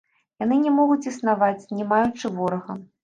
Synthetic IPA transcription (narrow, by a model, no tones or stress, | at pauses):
jan̪ɨnʲɛmɔɣut͡sʲisn̪avat͡sʲnʲɛmajut͡ʂɨvɔɾɐɣɐ